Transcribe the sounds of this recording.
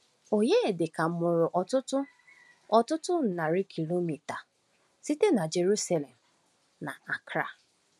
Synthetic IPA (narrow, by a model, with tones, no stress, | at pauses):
o˨ɲe˦e˨dɪ˨ka˨m̩˨mʊ˨ɾʊ˨ʔɔ˨tʊ˦tʊ˦ | ɔ˦tʊ˦tʊ˦n̩˨na˨ɾɪ˦kʰi˨lo˦mi˨ta˨ | si˦te˦na˨d͡ʒe˨ɾu˦sa˦le˨m̩˨ | na˨a˨kɾa˨